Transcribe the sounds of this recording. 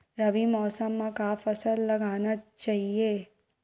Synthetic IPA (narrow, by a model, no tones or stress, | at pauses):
ɾɐbimɔːsəmːãkaːfɐsəlːɐɡaːnat͡ʃaːɦieː